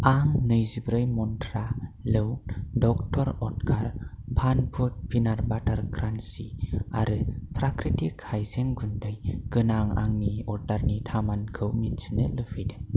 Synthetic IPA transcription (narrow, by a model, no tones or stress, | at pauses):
aŋnɯjzibɾɯjmɔntʰɾalɯwdɔk̚tʰɔɾɔtkʰaɾbʰʱanpʰut̚bʰinaɾbataɾkʰɾansiaɾɯpʰɾakɾitikʰhajzeŋɡundɯjɡ̥ɯnaŋa̰ŋniɔɾdaɾnitʰamankʰɯwmitsinɯlɯpʰijde